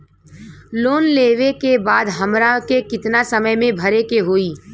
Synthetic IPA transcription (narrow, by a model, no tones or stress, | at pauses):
loːnleːʋekebaːd̪ɦɐmɾakekɪt̪nasəməjmẽbʱɐɾekeɦoːiː